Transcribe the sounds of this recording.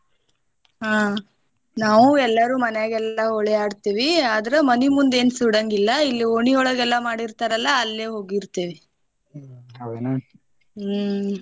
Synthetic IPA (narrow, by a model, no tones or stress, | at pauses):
ɦaː | naːʋuɛlːɐɾuːmɐnejaːɡɛlːɐoɭɛaːɽt̪iːʋiaːd̪ɐɾemɐnimund̪e̞ːnsuɽɐŋɡilːɐilːioɳiɔɭɐɡɛlːɐmaːɽiɾt̪aɾɐlːɐːlːeːɦo̞ːɡiɾt̪eːʋi | ɐd̪ena